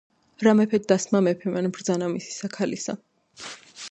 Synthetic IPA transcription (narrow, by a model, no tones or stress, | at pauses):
ɾamɛpʰɛt̪̚d̪asmamɛpʰɛmanbɾd̪zanamisi̥sakʰalisa̰